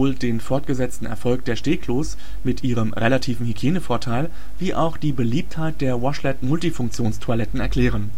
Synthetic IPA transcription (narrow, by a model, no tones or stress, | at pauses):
oːldeːnfɔɐtɡ̥əzɛt͡stn̩ɛ̰ɐfɔlk̚d̥eːɐʃteːkʰloːs | mɪtʔiːʁəmʁelatʰiːvn̩hyɡ̥eːnəfoːɐtʰaɪl | viːʔa̰ʊxd̥iːbəliːp̚thaɪt̚d̥eːɐwɔʃlɛtmʊltifʊŋk̚t͡sjoːnstʰualɛtn̩ɛɐkl̥ɛːʁ̞ən